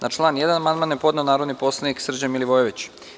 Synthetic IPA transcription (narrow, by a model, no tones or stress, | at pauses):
nʔat͡ʃlˠaːnjed̪anamand̪manjepo̞d̪ne̞onaːɾo̞d̪nipo̞slˠaniksr̩d͡ʑamiliʋojeʋit͡ɕ